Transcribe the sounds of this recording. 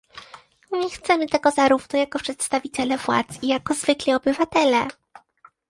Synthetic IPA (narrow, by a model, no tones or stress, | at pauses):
ɲɛxt̪sɛmɘt̪ɛɡɔzaɾuvnɔjakɔpʂɛt̪st̪avʲit͡ɕɛlɛvwa̰t̪sijakɔzvɘklʲiɔbɘvat̪ɛlɛ